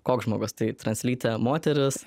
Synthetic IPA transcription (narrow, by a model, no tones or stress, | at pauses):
koːkʒmo̰ːɡʊst̪ɐɪt̪ɾɐnʲsʲlʲiːt̪ʲɛmoːt̪ʲɛɾʲɪs